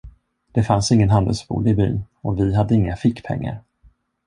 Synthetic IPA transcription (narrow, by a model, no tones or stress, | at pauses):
d̪̥ɛfansɪŋːənɦand̪ə̰lsbṵːlɪby̰ːn | ɔvɪɦad̪ːəɪŋːafɪkːpʰɛ̰ŋːa̰ɾ